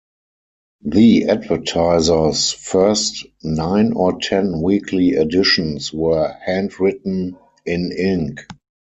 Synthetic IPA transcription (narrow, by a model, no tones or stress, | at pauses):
ðiædvə˞tʰaɪzə˞sfɜ˞stnãɪ̃nɔtʰɛ̃nwiːkʰliɛdɪʃɔ̃nswɜ˞hæ̃ndɹɪtn̩ | ɪ̃nɪ̃ŋk